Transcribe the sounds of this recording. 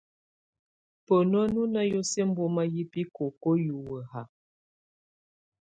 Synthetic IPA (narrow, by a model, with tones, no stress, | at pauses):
pə˨nɔ˦nu˦na˦jo˦se˦m̩˦bo˦ma˦ji˦pi˦ko˨ko˦ju˨wə˨ɦa˨